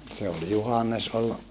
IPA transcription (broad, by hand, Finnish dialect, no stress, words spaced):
se ol juhɑnːes ol